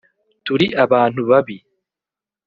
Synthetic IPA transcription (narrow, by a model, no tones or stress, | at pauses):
t̪uɾiʔɐbaːn̥uβɐbi